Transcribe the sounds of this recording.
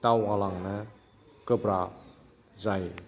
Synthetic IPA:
tawalaŋnə | kəbɾa | zaj

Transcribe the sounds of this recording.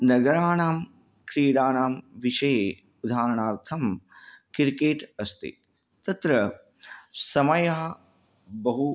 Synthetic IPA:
nɐɡɐɾaːnaːm | kɾiːɽaːnaːmʋiʃɐje | ud̪ʱaːɾɐɳaːɾt̪ʰɐmkiɾkeːʈɐst̪ḭ | t̪ɐt̪ɾɐ | sɐmɐjɐɦɐ | bɐɦu

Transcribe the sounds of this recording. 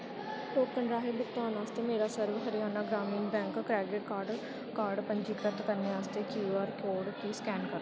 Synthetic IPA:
oːɾkəɳɖɾaːɦiːbʊkt̪aːnaːst̪eːmeːɾaːsəɾʋɦəɾijaːnaːɡɾaːmiːnbɛ̃ːŋkːɾɛːɖɪʈkaːɖ | kaːɾɖpəɲd͡ʒiːkɾət̪kəɾneːaːst̪eːkjuːəɾkoːɽkiːskɛːnkəɾo

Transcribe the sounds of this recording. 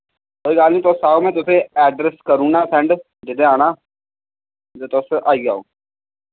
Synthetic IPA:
koːiɡaːlnĩt̪osaːomẽt̪ʊseɛːɖɾeskəɾuːnaːsɛ̃ːɳɖ | d͡ʒɪd̪ẽaːnaː | d͡ʒoːt̪osʔaːiɡa̰ːo̰ː

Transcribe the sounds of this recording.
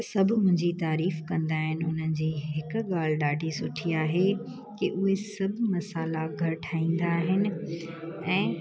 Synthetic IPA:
sɐbʱmʊ̃ɦɪ̃ɲd͡ʑit̪aːɾiːfkɐ̃nd̪aːɦɪnɪ̆ʊn̤ənɪ̆d͡ʑiːɦɪkʊ̆ɠaːl̤ɪɗaːɖʱisʊʈʰiaːɦe | kiʔʊɦesɐbʱmɐsaːlaɡʱɐɾʈʰaːĩːn̆d̪aːɦɪnɪ̆ | ɛ̃ː

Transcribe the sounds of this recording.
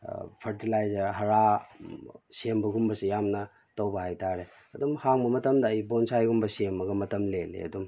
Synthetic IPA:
pʰɐɾtilajzɐɾɦɐɾa | sembɐɡumbɐsijamnɐ | tɐwbɐhajtaɾe | ɐdumhaŋbɐmɐtɐmdɐːjbonsajɡumbɐsemɐɡɐmɐtɐmlelḛɐ̰dum

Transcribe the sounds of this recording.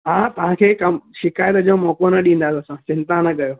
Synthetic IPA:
ɦaːt̪ɐʋ̤ãkʰeːkɐmʃɪkaːjət̪d͡ʑomɔːkonɐɗĩːn̆d̪aːt̪ɐsãt͡ɕɪ̃nt̪anɐkɐjoː

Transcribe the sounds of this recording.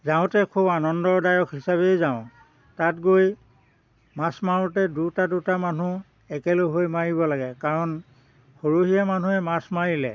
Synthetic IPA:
zaʊ̃tɛkʰubanɔndɔɹdajɔkʰɦisaβejzaʊ̃ | tatɡoj | masmaɹutɛdutadutamanu | ɛkɛloɦojmaɹibɔlaɡɛkaɹɔn | xoɹoɦijaman̤uɛmasmaɹilɛ̰

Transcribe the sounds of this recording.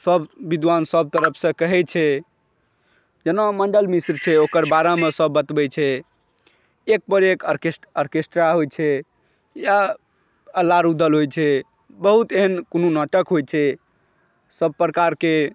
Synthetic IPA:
səbbid̪ʋansəb̚t̪əɾəpʰsə̃kəɦɛt͡ʃʰɛ | d͡ʒenaməɳɖəlmisɾt͡ʃʰɛokəɾbaɾamesəbːət̪bɛt͡ʃʰɛ | ek̚bəɾekəɾkesʈəɾkesʈɾaɦojt͡ʃʰɛ | ja | əlaɾud̪əlɦojt͡ʃʰɛ | bəɦut̪eɦənkonunəʈəkɦojt͡ʃʰɛ | səb̚pɾəkaɾke

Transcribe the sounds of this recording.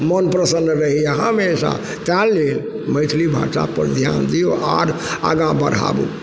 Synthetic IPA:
mənpɾəsənɾəɦijaɦəmesa̰ | t̪alːel | məɪt̪ʰlibʱa̰sapə̰ɾd̪ʱja̰nd̪ijoʔaɾa̰ɡãbəɾa̰bṵ̃

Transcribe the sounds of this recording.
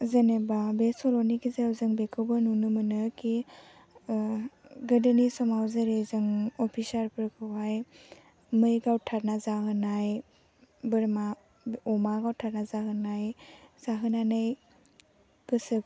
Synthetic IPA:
zɐnebabesɔlɔnikʰizeawzɯŋbekʰɯwbɯnunumɯnɯkʰi | ɡədɯnisɔmawzɯɾezɯŋɔpʰisaɾpʰɯɾkʰɯwaj | mɯjɡawtʰaɾnazaɦɯnaj | bɯɾma | ɔmaɡawtʰaɾnazaɦɯnajz̥aɦɯnanaj | ɡ̥ɯsɯ

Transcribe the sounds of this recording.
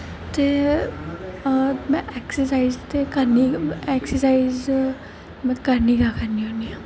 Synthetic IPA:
t̪e | mɛ̃ʔɛksəsaizt̪ekɐɾniɛksəsaiz | mɛ̃kɐɾnikakəɾniɦoniã

